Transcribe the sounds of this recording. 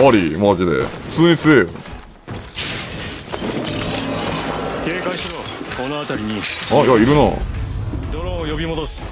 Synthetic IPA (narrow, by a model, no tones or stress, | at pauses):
oɾʲimod͡ʑid̪ḛ̥t͡sɨːɲ̟it͡sɨejo̰ | keːkãɕiɾoonoat̪aɾʲiɲ̟iajaiɾɯ̟no̰ | d̪oɾojobʲimod̪osɨ̥